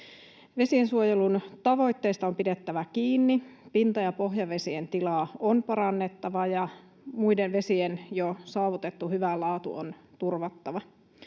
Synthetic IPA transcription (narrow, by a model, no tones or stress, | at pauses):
ʋe̞siensuojelunt̪ɑʋo̞ijt̪ːeːst̪ɑompidet̪ːæʋækiːnːipint̪ɑjɑpo̞ɦjɑʋe̞sient̪ilɑːˑonpɑɾɑnːet̪ːɑʋɑjɑ | muidenʋe̞sienjosɑːʋut̪et̪ːuhyʋælɑːt̪ṵo̰nt̪urʋɑt̪ːɑʋɑ